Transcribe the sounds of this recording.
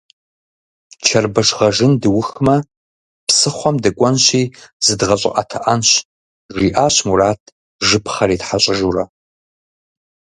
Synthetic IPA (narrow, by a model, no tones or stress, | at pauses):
t͡ʃʰɐrbɐʂʁɐʒɨndɨwʊxmɐ | psɨχʷɔmdɨkʷʼɔnɕiːz̥ɨdʁɐɕʼɪ̰ʔʼɐ̰tʰɐʔɐnɕ | ʐiːʔaːɕmuɾaːtʰ | ʒɨpʰχɐɾiːtħaɕʼɪʒurɐ